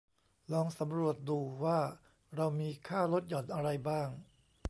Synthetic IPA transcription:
lɔː˧ŋsa˩˦mɾu˨˩ət̪̚duː˧waː˥˩ | ɾa˧wmiː˧kʰaː˥˩ɾo˦˥t̪̚jɔ˩˦nʔa˧ɾa˧jbaː˥˩ŋ

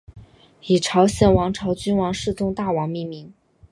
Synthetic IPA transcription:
i˨˩ʈ͡ʂʰɑ˧˥ʊɕjɛ˥˩nwɑ˧˥ŋʈ͡ʂʰɑ˧˥ʊt͡ɕy˥nwɑ˧˥ŋʂɻ̩˥˧t͡s̪ʊ˥˧ŋt̪a˥˩wɑ˧˥ŋmi˥˩mi˧˥n

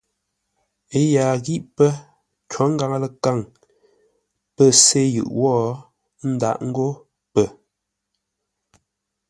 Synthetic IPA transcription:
e˦ja˨ɣi˦ʔpə˦ | t͡ʃwɔ˨˦ŋ̩˦ɡa˨ŋə˦lə˨ka˦˨ŋ | pə˦se˦jɯ̰˨ʔwɔː˦ | n̩˦da̰˦˨ʔŋ̩˦ɡo˦ | pə˦˨

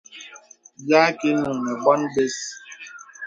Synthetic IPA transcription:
jaː˦ke˦nũ˨ne˨kɔ˦n̩˦be˦s

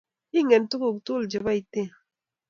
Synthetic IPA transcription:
i˦ŋe˨n˦tu˦ku˦˨ktu˦ld͡ʒi˨ba˦i˨te˦˨

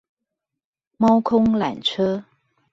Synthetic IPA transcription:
mɑ˥ʊkʰʊ˥ŋla̰˨˩nʈ͡ʂʰɤ˥

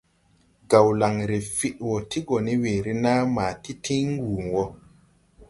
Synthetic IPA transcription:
ɡa˨wla˨ŋɾe˨fi˨ɗwɔ˨ti˦ɡɔ˨ni˦we˨ɾi˦na˦maː˨ti˦tʰĩ˦ŋ˦ɡuː˨ŋwɔ˦

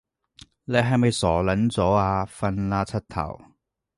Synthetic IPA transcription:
le˨˧jɦɐ˨jmɐ˨jsɔː˨˩lɐ˨˥nt͡sɔː˨˥aː˧fɐ˧nlaː˧t͡sʰɐ˥t̚t̪ʰɐ̰˨˩w

